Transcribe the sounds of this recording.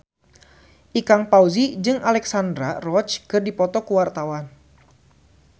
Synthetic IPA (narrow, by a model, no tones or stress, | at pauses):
ʔikaŋpauzid͡ʒɨŋʔalɛksandɾarɔt͡ʃkɨrdipɔt̪ɔkuwart̪awan